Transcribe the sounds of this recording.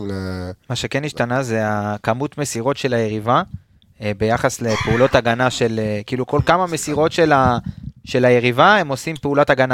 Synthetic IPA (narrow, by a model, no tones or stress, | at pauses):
lamaʃe̞keniʃtanaze̞akamut̪me̞siʁo̞tʃe̞laje̞ʁiva | be̞jaχasle̞peulo̞taɡanaʃe̞lekiːluko̞lkamame̞siʁo̞tʃe̞laʃe̞laje̞ʁivae̞mo̞simpeulotaɡana